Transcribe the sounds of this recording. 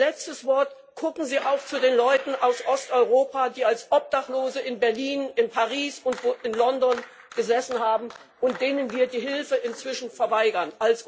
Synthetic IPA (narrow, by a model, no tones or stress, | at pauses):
lɛt͡stəsv̥ɔɐt | ɡ̥ʰʊkŋ̩ziːʔaʊxt͡sudeːnlɔʏtn̩ʔaʊsʔɔstʔɔʏʁ̞oːpadiːalsʔɔp̚d̥aχloːzəɪnbɛɐliːnɪnpʰaʁiːsʊntvoʔɪnlɔndɔn | ɡ̥əzɛsn̩haːbm̩ | ʊnt̚d̥eːnənviːɐdiːɦɪlfəʔɪnt͡sv̥ɪʃn̩fɛɐvaɪɡɐnʔals